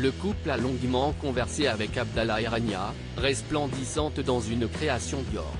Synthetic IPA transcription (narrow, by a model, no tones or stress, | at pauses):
ləkuplalɔ̃ɡmɑ̃kɔ̃vɛʁseavɛkabd̪alaiʁɛnja | ʁɛsplɑ̃d̪isɑ̃t̪d̪ɑ̃zynkχeasjɔ̃d̪ɔ̰ːʁ